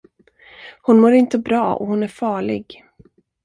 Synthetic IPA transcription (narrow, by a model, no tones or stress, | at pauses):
hʊnmoːɾɪnt̪əbɾɑːɔ̰hʊnæɾfɑːɭɪ̰ɡ